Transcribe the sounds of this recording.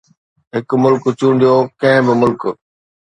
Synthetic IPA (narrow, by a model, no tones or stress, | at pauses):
ɦɪkmʊlkt͡ɕũːɳ̆d̪ijoːkɐ̃ɦɪ̃bɪmʊlk